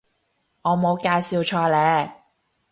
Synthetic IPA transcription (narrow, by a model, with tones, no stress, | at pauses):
ŋɔː˨˧mo˨˧wkaː˧jsiː˧wt͡ʃʰɔː˧lɛː˨˧